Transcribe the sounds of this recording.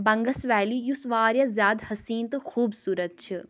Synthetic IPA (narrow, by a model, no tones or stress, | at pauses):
bɐ̃ŋɡɐsʋɛːlijusʋaːɾjɐzjaːd̪hɐsiːnt̪ɨxuːbsuːɾət̪̚t͡ʃʰi